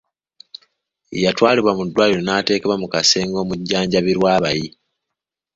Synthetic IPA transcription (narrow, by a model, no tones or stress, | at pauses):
ḭjatwaːliβwamudːwaːliɾonaːte̞ːkeβwamukase̞ːŋɡo̞ːmuɟːaːɲɟaβiɾwaːβaji